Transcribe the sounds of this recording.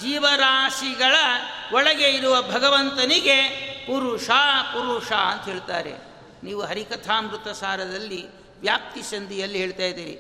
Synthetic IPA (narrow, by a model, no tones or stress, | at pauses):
d͡ʒiːʋɐɾaːʂiɡɐɭɐ | ɔɭɐɡe̞iɾuʋɐbʱɐɡɐʋɐnt̪ɐniɡepuɾuʂaːpuɾuʂaɐnt̪ɐɦeːɭt̪a̰ːɾḛ | niːʋuɦɐɾikɐt̪ʰaːmɾut̪ɐsaːɾɐd̪ɐlːi | ʋjaːp̚t̪isɐnd̪ijɐlːiɦeːɭt̪aːjid̪iːɾḭ